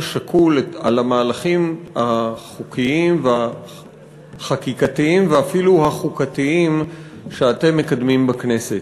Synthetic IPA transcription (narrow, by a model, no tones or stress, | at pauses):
ʃakʰulea̰lamaːlaχimaχukiimvea | χakikatiimveafiluhaχukatiim | ʃeate̞mːekad̪mimbakne̞se̞t